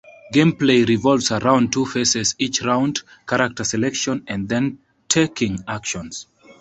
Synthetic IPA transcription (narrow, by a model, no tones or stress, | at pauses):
ɡẽmpleɪɹivɔlˠvsəɹãʊ̃n̚tʰufesɛzit͡ʃɹãʊ̃nd | kʰaɹak̚təsɛlɛkʃɔ̃nɛ̃nðɛ̃n | tʰekɪ̃ŋakʃɔ̃ns